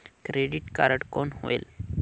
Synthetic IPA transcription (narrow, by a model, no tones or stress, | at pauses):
kɾeɖiʈka̰ɾəʈkonho̰ḛl